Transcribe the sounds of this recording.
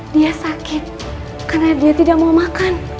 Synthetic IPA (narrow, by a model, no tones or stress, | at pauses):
diasakɪt̪̚ | karnadiat̪idak̚maumakan